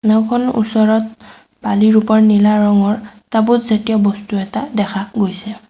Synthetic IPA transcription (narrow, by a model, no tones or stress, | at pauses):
nɛwkʰɔnṵsɔɹɔt̚ | b̥aliɹupɔɹnilaɹɔŋɔɹtabutzetijɔbɔstuɛtadɛkʰaɡojsɛ